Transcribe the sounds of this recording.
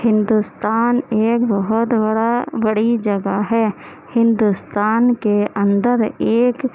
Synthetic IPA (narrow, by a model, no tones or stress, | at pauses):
hɪ̃nd̪ust̪aːneːkbɔɦʊt̪bəɽabəɽid͡ʒɐɡaɦɛː | hɪ̃nd̪ust̪aːnkeɐ̃nd̪əɾeːk